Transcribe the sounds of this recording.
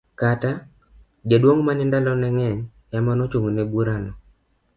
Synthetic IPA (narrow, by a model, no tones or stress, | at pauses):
kata | d͡ʒadwoŋmanɛndalɔnɛŋɛɲ | jamanot͡ʃuŋnɛbuɾanɔ